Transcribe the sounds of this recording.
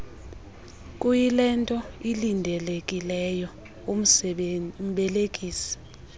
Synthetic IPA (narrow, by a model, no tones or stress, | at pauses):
kʼujilɛntʼɔilindʱɛlekʼilɛjɔ | um̩ | m̩ɓɛlekʼiːsi̥